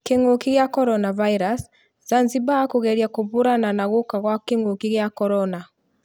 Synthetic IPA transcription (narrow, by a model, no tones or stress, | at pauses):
keŋokiɣjakɔɾɔnavaiɾas | zanzibakoɣɛɾjakoβoɾananaɣokaɣwakeŋokiɣjakɔɾɔna